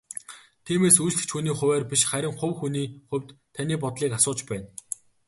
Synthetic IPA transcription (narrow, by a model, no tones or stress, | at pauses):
t̪ʰiːmeːsujɮt̪ɘ̥̆t͡ɕʰxuniːχʊ̟wæːrpiʃχæɾʲɪ̆ŋχɵwxuniːχɵwʲt̪ʰːanʲiːp̬ɔt̪ɮiːkasʊːt͡ɕpæːn